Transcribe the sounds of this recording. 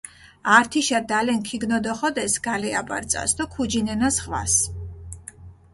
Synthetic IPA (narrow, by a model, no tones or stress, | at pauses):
aɾt̪ʰiʃad̪alɛnkʰiɡnɔd̪ɔχɔd̪ɛsɡ̥alɛaba̰ɾt̪sʼa̰sd̪ɔkʰud͡ʒinɛnasʁwa̰s